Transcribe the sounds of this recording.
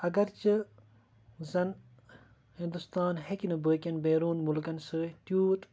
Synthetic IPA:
ɐɡɐɾt͡ʃɨ | zɐn | hind̪ust̪aːnɦekʲinɨbəːkʲɐnbeːɾuːnmulkɐnsɨːt̪juːt̪

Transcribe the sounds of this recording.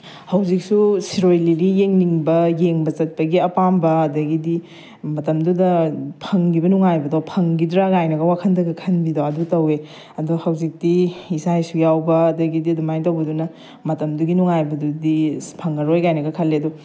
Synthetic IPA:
hɐwzik̚susiɾojliɾijeŋniŋbɐjeŋbɐt͡ʃɐt̚pɐɡiɐpambɐːdɐɡidi | mɐtɐmdudɐpʰɐŋɡibɐnuŋajbɐdopʰɐŋɡidɾaɡajnɐɡɐwakʰɐndɐɡɐkʰɐnbidoɐdutɐwe | ɐduhɐwzik̚diisajsujawbɐːdɐɡidiɐdumajtɐwbɐdunɐ | mɐtɐmduɡinuŋajbɐdudipʰɐŋɐɾojɡajnɐɡɐkʰɐlːeɐdu

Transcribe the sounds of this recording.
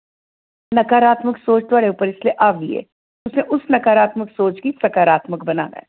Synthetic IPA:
nɐkaːɾaːt̪məksoːt͡ʃt̪ʋaːɭeuːpəɾɪslieʔaːʋiɛ̰ː | ʊsneʔʊsnɐkaːɾaːt̪məksoːt͡ʃkisɐkaːɾaːt̪məkbɐna̰ːna̰ɦɛ

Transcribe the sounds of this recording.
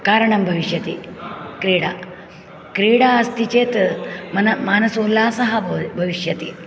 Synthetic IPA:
kaːɾɐɳɐmbʱɐʋiʂjɐt̪iːkɾiːɽa | kɾiːɽaɐst̪ʰit͡ɕeːt̪mɐnɐmaːnɐsoːlːaːsɐɦɐbʱɐʋiʂjɐt̪i

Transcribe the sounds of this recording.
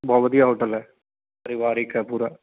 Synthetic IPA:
bʱɐʋɐd̪ijaːʋɨʈːɐlːɐ | ɐɾiʋaːɾikːɐpuːɾɐ

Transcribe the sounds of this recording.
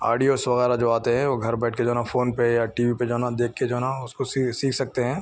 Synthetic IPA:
a̰ːɖijoːsʋɐɣɛːɾad͡ʒoːaːt̪eɦɛ̃ʋoɡʱɐɾbɛːʈ̚ʰked͡ʒaːnafoːnpejaʈiːʋiped͡ʒaːnad̪eːkʰːed͡ʒaːnaʊskosisiːkʰsɐk̚t̪eɦɛ̃ː

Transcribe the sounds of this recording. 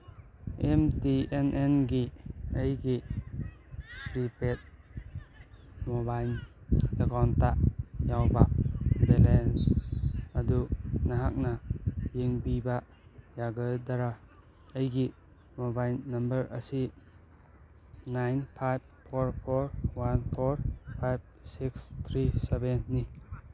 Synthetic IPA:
emtienʔenɡiəjɡi | ɾipet̚ | mobajlekawntajawbabelens | adunaɦak̚najeŋbiba | jaɡɯjdaɾa | əjɡi | mɔbajlnɐmbəɾʔə̰si | najnpʰajb̚pʰoɾpʰoɾwanpʰoɾpʰajb̚sikst̪ʰɾisebenːi

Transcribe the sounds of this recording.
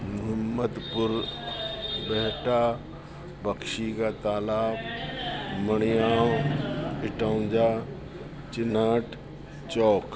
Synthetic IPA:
mʊɦəmːəd̪pʊɾ | bɛɦʈaː | bəkʃiːkat̪aːlaːb | məɽ̃ijãː | ɪʈaʊd͡ʒaː | t͡ʃɪnaːʈ | t͡ʃɔːk

